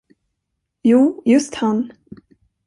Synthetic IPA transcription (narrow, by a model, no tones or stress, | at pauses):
juːjɵst̪han